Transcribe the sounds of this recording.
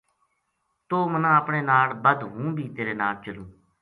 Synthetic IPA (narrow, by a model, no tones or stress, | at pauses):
t̪oːmənãːəpɳeːnaːlbəd̪ɦũːbʱiːt̪eːɾeːnaːlt͡ʃəlũː